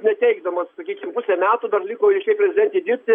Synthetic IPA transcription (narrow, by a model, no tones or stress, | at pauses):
nʲɛt̪ʲɛɪɡd̪ɐmɐssɐkʲiːkʲɪmpusʲɛmʲæːt̪uːd̪ɐrlʲɪkoːɪʃʲɛɪpʲɾʲɛzʲɪd̪ʲɛnʲt̪ʲeːd̪ʲɪɾʲpʲt̪ʲɪ